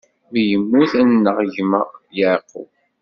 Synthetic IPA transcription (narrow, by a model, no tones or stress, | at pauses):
vjəmːuθænːəʁʝməʁjaʕqːʊ̰w